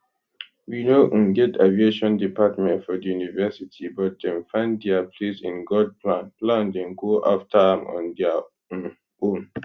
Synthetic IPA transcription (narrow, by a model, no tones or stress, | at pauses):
winoʔ̩ɡɛtavieʃɔ̃ndipatmɛ̃ntfɔdijunivɛsitʰibɔt̚dɛ̃nfãɪ̃nddɛapʰlesḭ̃nɡɔd̚pʰlãnplãndɛ̃nɡoʔaftʰadɛ̃mɔ̰̃ndɛã | õn